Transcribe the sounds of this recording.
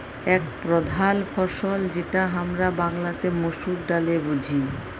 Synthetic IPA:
ɛkpɾod̪ʱalfʰɔʃold͡ʑeʈaɦamɾabaŋlat̪emoʃuk̚ɖalebud͡ʑʱi

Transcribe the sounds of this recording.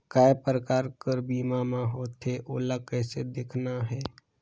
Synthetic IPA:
kaːepɾəkaːɾkəɾbiːmamãɦoːt̪ʰeʔoːləkəsed̪eːkʰnaɦɛː

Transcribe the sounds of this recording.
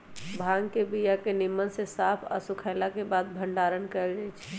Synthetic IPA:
bʱaŋkebijakenimːənsesapʰa̰sukʰaɪlakebad̪̚bʱəɳɖaɾənkəeld͡ʒajt͡ʃʰ

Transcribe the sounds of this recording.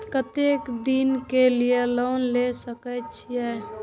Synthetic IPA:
kət̪ekd̪inkelijeloːnlesəkɛt͡ʃʰijɛ

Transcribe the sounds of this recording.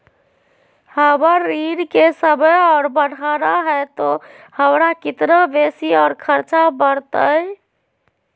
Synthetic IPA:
həbəɾːiɾkesəbʱəjɔːɾbəɽ̤ʱaɾaɦɛt̪o | həmɾakit̪nabesiɔːɾkʰəɾt͡ʃabəɾt̪əj

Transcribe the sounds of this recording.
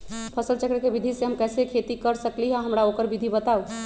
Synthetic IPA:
pʰəsəlt͡ʃəkɾəkebid̪ʱiseɦəmkɛsekʰet̪ikəɾsəkliɦãɦəmɾaokəɾbid̪ʱibət̪au

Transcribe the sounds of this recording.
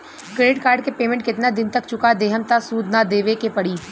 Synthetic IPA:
kɾeːɖɪʈ̚kaːɾɖkepeːmɛ̃ɳʈ̚kɪt̪nad̪ɪnt̪ək̚t͡ʃʊkad̪eːɦəmt̪asuːd̪ʱnad̪eːʋekepɐɽiː

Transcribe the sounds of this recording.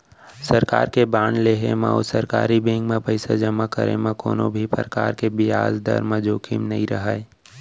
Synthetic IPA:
səɾka̰ːɾkebaːnleːɦemã̰o̰səɾka̰ːɾibẽŋɡmẽpəɪsad͡ʒəmakəɾḛmãko̰ːnõ̰bʱipə̰ɾəka̰ːɾkebɪja̰ːzd̪ə̰ɾmãd͡ʒoːkʰḭmnɐɦĩɾɐɦaːe

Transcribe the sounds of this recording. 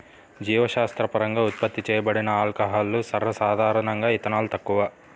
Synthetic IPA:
d͡ʒiːʋɐʃaːst̪ɾɐpɐɾɐŋɡaːut̪̚pɐt̪ːit͡ʃɛːjɐbɐɽinɐaːlkɐɦaːlːusɐɾʋɐsaːd̪ʱaːɾɐɳɐŋɡaːit̪ɐnaːlut̪ɐkːuʋa

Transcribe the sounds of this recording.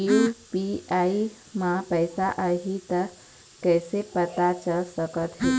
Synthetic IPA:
ipiai | mãpəjsaʔəɦit̪ə | kəjsepət̪at͡ʃəlsəkət̪ɦe

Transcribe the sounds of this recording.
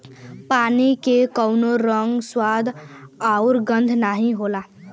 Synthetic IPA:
panikekəʊnoɾəŋɡswad̪ʱaʊɾɡə̃nd̪ʱnaɦĩɦola

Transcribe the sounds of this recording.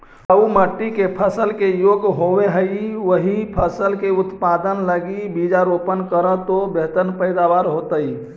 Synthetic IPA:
əuməʈːikepʰəsəlkejoɡɦoʋeɦəjwəɦipʰəsəlkeut̪pad̪ənləɡibid͡ʒaɾopənkəɾə̃t̪obet̪ənpəɪd̪aʋaɾɦot̪əj

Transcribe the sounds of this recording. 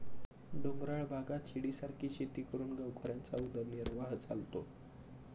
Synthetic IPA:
ɖoŋɡɾaɭbʱaɡat̪ɕiɽisaɾkʰiːɕet̪iːkəɾuːnɡawkʰoɾjant͡saud̪ʱəɾniɾʋaɦt͡salt̪o

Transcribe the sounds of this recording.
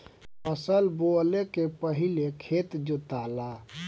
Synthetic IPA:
əsəlbolekepəɦilekʰet̪d͡ʒot̪ala

